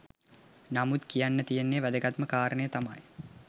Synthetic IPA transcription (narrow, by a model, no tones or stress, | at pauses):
namut̪kijanːət̪ijenːeʋæd̪əɡat̪məkaːɾənəjət̪ama̰j